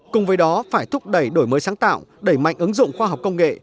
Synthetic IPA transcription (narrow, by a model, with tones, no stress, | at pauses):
kʊ˨˩ŋ͡mvəː˨˦jɗɔ˨˦faː˧˩jt̪ʰʊ˦˥p̚ɗə˧˩jɗo˧˩jməː˨˦jsaː˨˦ŋt̪a̰ː˧˨wɗe˧˩jma̰˧˨jŋ̟ʔɨ˨˦ŋzʊ̰˧˨ŋ͡mxwaː˧ɦa˨˩wk͡pkə˧wŋ͡mŋḛ˧˨